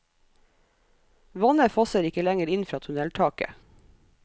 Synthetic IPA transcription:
ʋɔnəfɔsəɾɪkəlæŋəɾɪnfɾɑːt̪ʰʉnɛlt̪ʰɑːkə̰

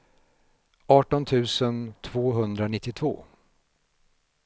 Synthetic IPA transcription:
ɑːʈɔnt̪ʰʉ̟ːsənt̪ʰv̥oːɦɵnd̪ɾanɪt̪ːɪt̪ʰv̥o̰ː

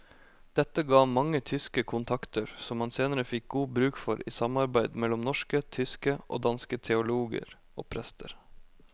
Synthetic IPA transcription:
d̪̥ɛt̪ːəɡɑːmɑŋːət̪ʰʏskəkʰʊnt̪ʰɑkt̪əɾsɔmhɑnseːnəɾəfɪk̚ɡuːbɾʉːkfɔɾḭːsɑmɑɾbæɪd̪mɛlːɔmnɔʂkət̪ʰʏskəʔo̰ːd̪ɑnskət̪ʰɛʊluːɡə̰ɾ | ʔo̰ːpʰɾɛst̪ʰəɾ

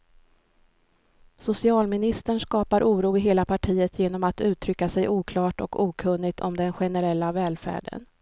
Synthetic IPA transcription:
sʊsɪɑːlmɪnɪst̪əɳʂkɑːpaɾʔuːɾuːɪɦeːlapʰaʈʰiːət̪ʰjeːnɔmat̪ʉ̟ːt̪ʰɾʏkːasɛjʔuːkʰlɑːʈɔ̰kuːkʰɵnːɪt̪ʰɔ̰md̪ɛnɧɛnɛɾɛlːavɛːlfæ̰ːɖə̰n

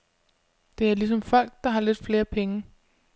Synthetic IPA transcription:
d̥e̝æɐlis̬ɒ̽mfɒ̽l̰ɡ̥̚d̥ɑ̈ɦɑ̈le̝d̥fle̝ːɐpʰeŋə

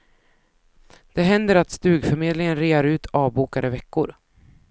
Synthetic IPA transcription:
d̪̥ɛɦɛnd̪əɾat̪st̪ʉ̟ːɡfœɾmeːd̪lɪŋənɾeːaɾʉ̟ːt̪ʰɑːvbuːkad̪əvɛkːʊɾ

